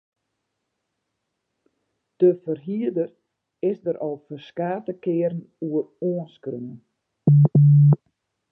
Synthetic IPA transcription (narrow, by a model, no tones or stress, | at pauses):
d̥əfərɦiədər | ɪsdəɾʔɔlˠfərskaːtəkɪəɾn̩ | uəroənskrøən